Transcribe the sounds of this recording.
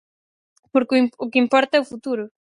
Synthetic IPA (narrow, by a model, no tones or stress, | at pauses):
poɾkiʊkɪimpɔɾt̪ɐɛʊfut̪uɾʊ